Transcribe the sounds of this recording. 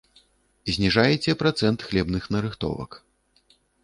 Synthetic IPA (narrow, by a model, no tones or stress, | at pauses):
zʲnʲiʐajɛt͡sʲɛpɾat̪sɛnt̪xlʲɛbnɨxnɐɾɨxt̪ɔ̰vɐ̰k